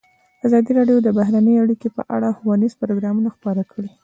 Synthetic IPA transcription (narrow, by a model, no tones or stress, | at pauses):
azɑd̪iɾɑɖjod̪əbahɾanəjaɽikepə̰ʔa̰ɽaxwɑnizpʊɾoɡɾɑmunaxpɑɾakɽi